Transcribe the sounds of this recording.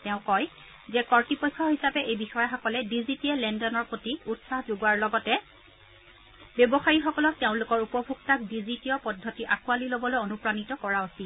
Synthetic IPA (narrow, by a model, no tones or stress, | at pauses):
tɛʊ̃kɔj | zɛkɔɹtipɔjkʰːɔɦisapɛʔejbixɔjaxɔkɔlɛdizitiɛlɛndɔnɔɹpɹotiutsahzoɡwaɹlɔɡɔtɛ | bjɔbɔxaɹixɔkɔlɔk̚tɛʊ̃lʊkɔɹupɔbʱuɡtak̚dizitiɔpɔdʱːɔtiʔakualilobɔlojonupɹanitɔkɔɹaɔsi